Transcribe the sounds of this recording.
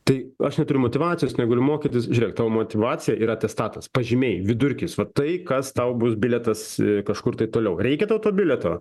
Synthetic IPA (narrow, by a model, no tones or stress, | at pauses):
t̪ɐɪɐʃnʲɛt̪ʊɾʲʊmoːt̪ʲɪʋɑːt͡sʲɪjoːsnʲɛɡɐlʲʊmoːkʲɪt̪ʲɪsʒʲʊɾʲɛk̚t̪ɑːʋoːmoːt̪ʲɪʋɑːt͡sʲɪjɛʔiːɾɐɐt̪ʲɛst̪ɑːt̪ɐspɐʒʲɪmʲeːjʋʲɪd̪ʊɾʲkʲɪsʋɐt̪ɐɪkɐst̪ɐʊbʊsbʲɪlʲɛt̪ɐsɪkɐʃkʊrt̪ɐɪt̪oːlʲɛʊrʲɛɪkʲɛt̪ɐʊt̪oːbʲɪlʲɛt̪oː